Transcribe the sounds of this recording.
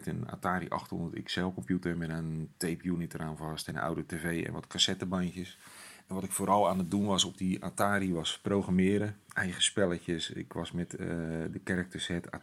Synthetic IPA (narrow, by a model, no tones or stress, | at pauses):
təna̰ːtaːɾḭʔɑ̰xtho̰ndərtɪ̰ksɛlˠkɔmpjutəmɛnantejpjunitəraːnvɑstɛnna̰wdəteːvejɛ̰̃nʋɔtkʰasɛtəbankjəs | ɛnʋɔtɪkfoːɾɔlˠaːnət̚dunʋɔsɔb̚dia̰ːtaːɾiʋɔsprowɣramɪːɾəʔɛjχəspɛlˠəcəsɪ̰kʋɔsmɛtdəkɛrək̚təshɛta̰